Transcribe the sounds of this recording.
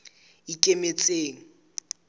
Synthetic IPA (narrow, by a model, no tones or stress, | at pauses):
ikʼemet͡sʼeːŋ̩